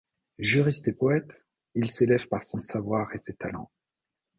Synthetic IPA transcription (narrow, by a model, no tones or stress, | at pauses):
ʒyʁist̪epɔɛt̪ | ilselɛvpaʁsɔ̃savwaʁeset̪alɑ̰̃